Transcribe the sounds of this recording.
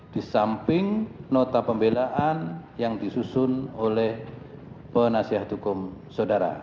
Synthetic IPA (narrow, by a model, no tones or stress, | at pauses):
d̥isampɪŋnot̪apəmbelaʔanjaŋdisusʊnolɛh | pənasiɦat̪hukʊmsawdaɾa̰